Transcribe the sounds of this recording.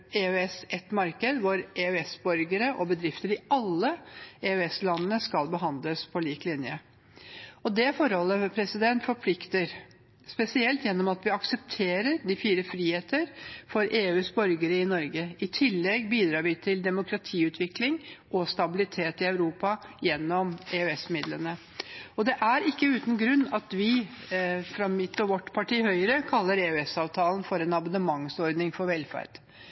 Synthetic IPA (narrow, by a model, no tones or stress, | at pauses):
eːøɛsɛt̪mɑɾkəd̪ʋʊɾʔeœɛsbɔɾɡəɾəʔɔbəd̪ɾɪft̪əɾɪɑlːəeːœɛslɑnːənəskɑlbəɦɑnd̪ləspʰɔliːklɪnjə | ɔd̪ɛfɔɾhɔlːəpʰɾɛsɪd̪ɛnt̪fɔɾpʰlɪkt̪əɾ | spɛsɪɛlt̪jɛnːɔmɑt̪ʋɪɑksəp̚t̪ʰeːɾəɾd̪ɪfiːɾəfɾiːheːt̪əɾfɔɾʔeːʉːsbɔɾɡəɾəɪnɔɾɡəɪt̪ʰɪlːɛɡbiːd̪ɾɑːɾʋɪt̪ʰɪld̪ɛmʊkʰɾɑt̪ʰiːʉːt̪ʰʋɪklɪŋʔɔst̪ɑbɪlɪt̪ʰeːt̪ɪœʉɾuːpɑjɛnːɔmeːœɛsmɪd̪lənə | ɔd̪ɛʔæɾɪkːəʉːt̪nɡɾʉnːɑt̪ʋɪ | fɾɑmɪt̪ːɔʋɔʈːpʰɑʈʰiːhœʏəɾəkʰɑlːəɾeːœɛsɑːʋt̪ʰɑːlnfɔɾɛnɑmɑnəmɑŋsɔɾd̪nɪŋfɔɾʋɛlfæ̰ɾd̪̥